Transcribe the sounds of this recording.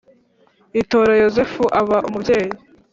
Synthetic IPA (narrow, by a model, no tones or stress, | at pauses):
ito̞ːɾajo̞ze̞fuʔaβaʔumubɟe̞ːje